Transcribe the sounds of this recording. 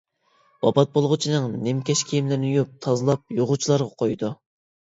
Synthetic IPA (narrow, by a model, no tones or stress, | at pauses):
bɑbɑt̪̚bolˠʁʊt͡ʃʰinɨŋnemkʲɛʃkʲʰejimlɪɾnjup̚t̪ʰɑzɨlˠɑp̚joʁʊt͡ʃʰilˠɑɾʁɑqʰojd̪u